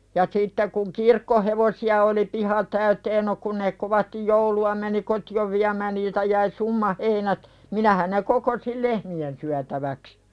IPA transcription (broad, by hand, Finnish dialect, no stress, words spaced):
jɑ sitːe kuŋ kirkːoheʋosiɑ oli pihɑ tæyteːn no kun ne koʋɑstij jouluɑ meni kotioʋ ʋiæmæːn niːltæ jæi sumːɑ heinæt minæhæn ne kokosil lehmien syætæʋæks